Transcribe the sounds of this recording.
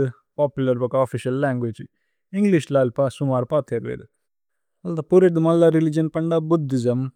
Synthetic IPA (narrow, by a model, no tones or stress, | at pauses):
ɨ | paːpjulɐɾbɐkaafiʃɐlːaːŋɡʋeːd͡ʒi | iŋɡliʃlaːlpasumaːɾpaːt̪ʰeɾʋḛːd̪ɨ | ɐlt̪apuɾeʈd̪ɨmɐlːaɾilid͡ʒɐnpɐɳɖabud̪ːid͡ʒɐm